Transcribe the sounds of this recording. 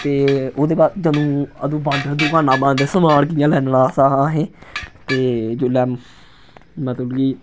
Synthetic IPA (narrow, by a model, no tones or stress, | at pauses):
t̪eːoːd̪eːbaːɾd͡ʒənũːəd̪ũːbãnd̪d̪ʊkaːnãːbə̃ːnd̪eːsəmaːɽkɪjãːlɛːnlaːsaːaːɦẽːt̪eːd͡ʒʊlɛː | mɛ̃ːt̪əbɡiː